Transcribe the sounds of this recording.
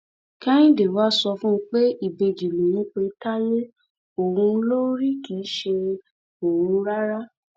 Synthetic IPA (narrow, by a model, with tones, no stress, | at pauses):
kɛ̃˦nĩ˦de˨wa˦sɔ˧fũ˦˧˦k͡pe˦i˦˨be˨d͡ʒi˨lũ˨jĩ˨˦k͡pe˧˦ta˦jẽ˦ | o˨ɾũ˧˦lo˦ɾi˦ki˨˦ʃe˧ | o˨ɾũ˧ɾa˦ɾa˦